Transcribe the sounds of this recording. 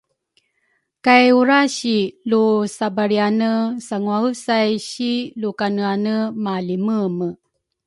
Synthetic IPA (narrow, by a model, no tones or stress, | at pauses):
kajuɾaɕilusabaɾianəsaŋuaəsajɕilukanəanəmaliməmə